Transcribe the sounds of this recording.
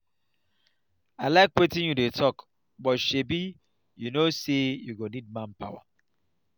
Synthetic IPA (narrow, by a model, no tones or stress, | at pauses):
alaɪkwetɪ̃njudetʰɔk | bɔtʃebi | junosejuɡonid̚mãnpa̰wa̰